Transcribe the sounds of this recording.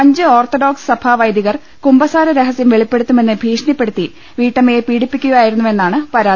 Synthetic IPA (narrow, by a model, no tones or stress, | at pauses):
ɐɲd͡ʑɨoːrt̪oɖo̞ːksɨ̥sɐbʱaːʋɐjd̪iɣɐr | kumbɐsaːɾɐɾeɦɐsjɐmʋeɭipːe̞ɽut̪ːume̞nːɨbʱiːʂɳipːe̞ɽut̪ːi | ʋiːʈːɐmeːpiːɽipːikʲːuɣaːjiɾunːuʋe̞nːaːɳɨpɐɾaːd̪i